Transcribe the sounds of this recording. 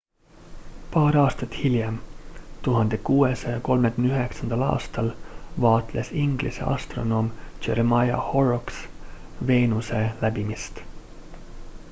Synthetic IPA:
pɑːɾɑːst̪ɑt̪ːˑhiljɑmt̪uɦɑnd̪̥e̞kuːesɑjɑko̞lmekynyɦe̞ksɑnd̪̥ɑlɑ̰ːst̪ɑlvɑːt̪lʔesiŋɡ̥lʔḭse̞̰ʔɑ̰st̪ro̞no̞ːmt͡ʃe̞̰ɾemɑjɑ̰ho̞roks | ve̞ːnuse̞læbimist̪

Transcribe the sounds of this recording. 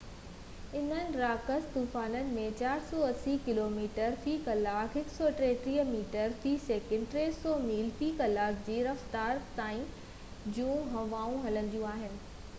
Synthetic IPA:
ɪnənɪ̆ɾaːkəst̪uːfaːnənɪ̆mẽt͡ɕaːɾsɔːɐsikɪloːmiːʈəɾfiːkɐlaːkɦɪksɔːʈɾeːt̪ɾiːɦmiːʈəɾfiːseːkɪ̃ɳɖʈɾeːsɔːmiːlfiːkɐlaːkd͡ʑiːɾɐft̪aːɾt̪aːĩ | d͡ʑũːɦɐʋaːũɦɐlə̃nd̪ijũaːɦɪnɪ̆

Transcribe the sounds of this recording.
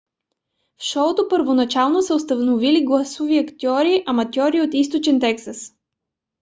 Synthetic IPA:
fʃɔt̪opəɾvonɐt͡ʃalˠnosɛost̪ɐvnoviliɡlˠasuviɐkt̪ʲiɔɾiʔɐmɐt̪ʲjɔɾiot̪ist̪ot͡ʃɛnt̪ɛksəs

